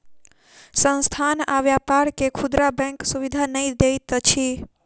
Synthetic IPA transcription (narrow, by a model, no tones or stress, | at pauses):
sə̃nst̪ʰanaʋjapaɾkekʰud̪ɾabɛ̃ksuʋid̪ʱanəĩd̪et̪ət͡ʃʰi